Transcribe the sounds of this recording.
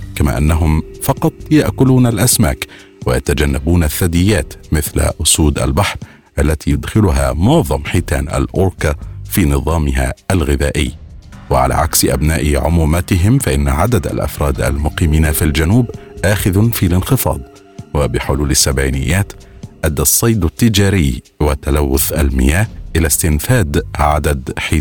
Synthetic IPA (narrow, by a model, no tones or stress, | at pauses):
kama̰ːʔanːaɦʊmfɑqɑt̪ˤjaʔkʊluːnalʔasma̰ːk | wajat̪ad͡ʒanːabuːnaθːad̪ɪjːaːt̪mɪθla̰ʔʊsuːd̪ʔa̰lbaħɾˤ | ʔalːat̪iːjʊd̪xɪlʊɦa̰mʊʕðˤɑmħiːt̪a̰ːnʔa̰lʔʊɾkafiːnɨðˤɑːmɪɦa̰ːalɣɪðaːʔɪ̰jːwaʕa̰la̰ːʕaksɪʔabnaːʔɪʕʊmuːmat̪ɪɦɪmfaʔɪnːaʕad̪ad̪a̰lʔɑ̰fɾˤɑːd̪ʔa̰lmʊqiːmiːnafild͡ʒanuːbʔaːxɪðnfilɪnxɨfɑ̰ːd̪ˤ | wabɪħʊluːlasːabʕiːnɪjːaːt̪ʔad̪ːasˤːɑjd̪at̪ːɪd͡ʒaːɾɪj | wat̪ːalawːʊθʔalmɪ̰jaːhʔɪlast̪ɪnfaːd̪ʕad̪ad̪ħiː